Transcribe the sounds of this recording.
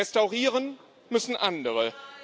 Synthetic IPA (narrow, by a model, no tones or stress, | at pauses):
ɛstaʊʁiːʁən | mʏsn̩ʔandəʁə